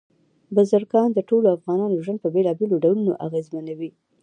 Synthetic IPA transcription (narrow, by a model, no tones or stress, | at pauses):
bazaɾkɑnd̪əʈoloafɣɑnɑnoʒwand̪̚pəbelɑbeloɖawluno̰ʔa̰ɣezmanawi